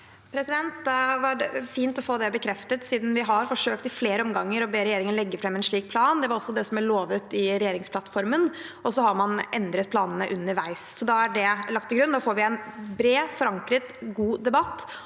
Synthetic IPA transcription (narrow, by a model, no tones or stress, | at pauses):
pʰɾɛsɪd̪ɛnt̪d̪ʋɑɖɛfiːnt̪ɔfoːd̪ɛbəkʰɾɛft̪ət̪siːd̪n̩ʋɪɦɑɾfɔʂøːk̚t̪ɪfleːɾəɔmɡɑŋːəɾɔbeːɾɛjeːɾɪŋənlɛɡːəfɾɛmːɛnʂɭiːk̚pʰlɑːnd̪ɛʋɑɾɔsːɔd̪ɛsɔmæɭoːʋət̪ɪɾɛjeːɾɪŋspʰlɑt̪ːfɔɾmən | ʔɔsɔhɑɾmɑnɛnd̪ɾət̪̚pʰlɑːnənəʔʉnːəɾʋæɪssɔd̪ɑːæɖɛlɑk̚t̪ːɪɡɾʉnːd̪ɑːfoːɾʋɪɛnbɾeːfɔɾɑŋkɾət̪ɡuːd̪ɛbɑt̪ː